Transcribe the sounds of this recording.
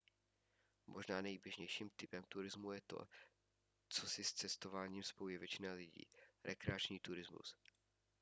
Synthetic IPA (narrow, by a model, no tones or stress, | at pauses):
mʔo̞ʒnaːnɛjbjɛʒɲɛjʃiːmt̪ɪpɛmt̪uɾɪzmujɛt̪o̞̰ | t͡so̞sɪst͡sɛst̪o̞vaːɲiːmspoujɛvjɛt͡ʃɪnalɪɟḭːɾʔɛkɾɛat͡ʃɲiːt̪uɾɪzmṵs